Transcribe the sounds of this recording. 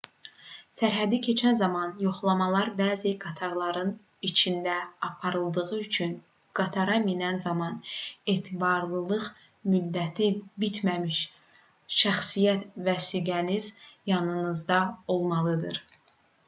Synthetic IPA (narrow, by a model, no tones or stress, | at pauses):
sæɾɦæd̪icʰe̞t͡ʃʰænzɑmɑnjo̞χlˠɑmɑlˠɑɾbæːziɡɑt̪ʰɑɾlˠɑɾɯn | it͡ʃʰind̪æɑpʰɑɾɯlˠd̪ɯʁɯyt͡ʃʰyn | ɡ̥ɑt̪ʰɑɾɑminænzɑmɑneːt̪ʰibɑɾlˠɯlˠɯʁ | myd̪ːæt̪ʰibit̪ʰmæmiʃ | ʃæxsijæt̪væsiːɡænizjɑnɯnɯzd̪ɑo̞lˠmɑlˠɯd̪ɯ̰ɾ